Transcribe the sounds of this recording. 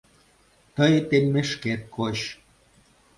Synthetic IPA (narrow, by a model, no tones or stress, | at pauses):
t̪əjt̪elʲmeʃket̪̚kʰoɕ